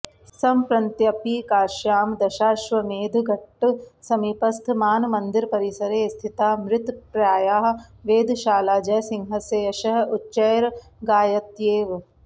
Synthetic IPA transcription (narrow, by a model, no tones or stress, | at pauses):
sɐmpɾɐnt̪jɐpiːkaːɾʃjaːmd̪ɐʃaːʃʋɐmeːd̪ʱɡʱɐʈːsɐmipɐst̪ʰmaːnmɐnd̪iɾpɐɾisɐɾeːst̪ʰit̪aːmɾɪt̪pɾaːjaːɦʋeːd̪ʱʃaːlaːd͡ʒɐːsɪŋɦɐsejɐʃɐɦʊtːʃɐːjɾ | ɡaːjɐt̪jeːʋ